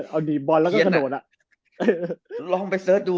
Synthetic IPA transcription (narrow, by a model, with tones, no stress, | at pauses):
ʔa˧wniː˨˩bɔ˧lɛː˦˥kɔ˥˧˨kanoː˨˩t̪̚a˨˩ | ʔːlɔː˧ŋpa˧jsɤː˦˥t̪̚duː˧